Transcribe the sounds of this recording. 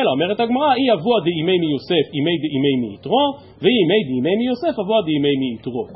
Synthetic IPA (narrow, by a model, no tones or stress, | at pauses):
elao̞me̞ʁethaɡmaʁaiavuad̪eime̞jmijose̞fimejd̪eʔimejmiːtʁo̞ | veimejd̪imejmijo̞se̞fhavuad̪eimejmiːt̪ʁo̞